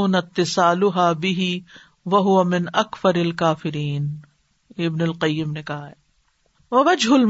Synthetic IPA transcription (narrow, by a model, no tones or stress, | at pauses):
ʊnɐt̪ːɪsaːlʊɦaːbɪɦi | ʋɐɦʊʋɐmɪnɐkfɐɾɐlkaːfɪɾiːn | ɪbnʊlqɐjːɪmnekɐɦaɦɛː | ʋɐʋɐd͡ʒɦʊlm